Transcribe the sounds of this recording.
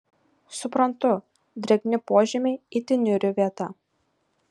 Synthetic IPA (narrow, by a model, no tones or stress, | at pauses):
sʊpɾɐnt̪ʊ | d̪ʲɾʲɛɡʲnʲɪpoːʒʲɛmʲɛit̪ʲɪnʲʏɾʲʊʋʲiɛt̪ɑ